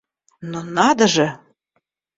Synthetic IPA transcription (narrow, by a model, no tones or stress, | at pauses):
nonɑd̪ə̆ʒĕ